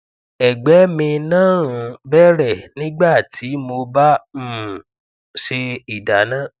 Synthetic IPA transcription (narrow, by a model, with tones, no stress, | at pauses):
ɛ˨ɡ͡bɛ˨˦mĩ˧nãː˦˨ɾũ˧˦bɛ˦ɾɛ˦˨nĩ˦ɡ͡ba˦˨tʰi˨˦mo˧bã˦˨ | ʃe˧i˨da˨nãː˦˨